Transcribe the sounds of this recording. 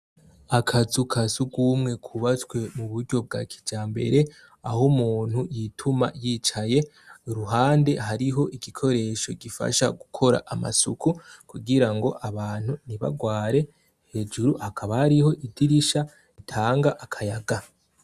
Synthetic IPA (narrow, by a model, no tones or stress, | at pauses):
akʰazukʰasuɡumŋe̞kʰuβatkwe̞muβuɾɟo̞b̚ɡa̰ːkʰi̥d͡ʒaːmbe̞̰ɾe̞ | ahomuːn̥hujitʰuma̰jiːt͡ʃaje̞ | ɾuɦaːnde̞ɦaɾiɦo̞ʔiɡikʰo̞ɾe̞ʃo̞ɡifa̰ʃaɡukʰo̞ɾa̰ʔama̰sṵkʰukuɡiɾaŋɡo̞ʔaβaːn̥huniβa̰ɡwaːɾe̞ | he̞d͡ʒuɾuhakʰaβahaɾiho̞ʔidiɾiʃa | itʰaːŋɡaʔakʰajaɡa